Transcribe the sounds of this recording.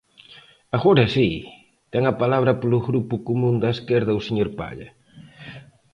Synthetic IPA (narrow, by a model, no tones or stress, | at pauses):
aɣoɾɐsi | t̪ɛŋɐpalaβ̞ɾɐpolʊɣɾupukumũnd̪ɐeskeɾð̞ɐuseɲoɾpa̰ʎɐ̰